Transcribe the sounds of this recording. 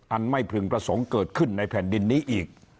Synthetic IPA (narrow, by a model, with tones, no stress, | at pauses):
ʔa˧nma˥˩jpʰɾɯ˧ŋpɾa˧so˩˦ŋkɤː˨˩t̪̚kʰɯ˥˩nːa˧jpʰɛː˨˩ndi˧nːiː˦˥ʔiː˨˩k̚